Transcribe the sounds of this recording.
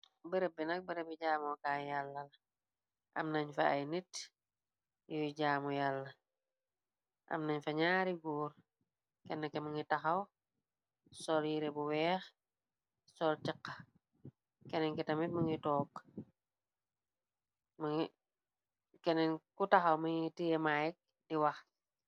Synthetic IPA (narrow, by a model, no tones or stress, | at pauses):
bəɾəbinɐk̚bəɾəbiɟaːmɔkaːjalːɐlɐ | ʔɐ̰mnɐɲfɐɐjnit | jujɟaːmujalːɐ | ʔɐ̰mnɐɲfɐɲaːɾiɡuːɾ | kɛnːɐkːɛmɐŋitɐxɐw | sɔljiɾɛbuwɛːx | sɔːltɛqːɐ | kɛnɛnkitɐmitməŋitɔːk | mŋ | kɛnɛnkutɐxɐwməŋitijɛmajɛk̚ | diwɐx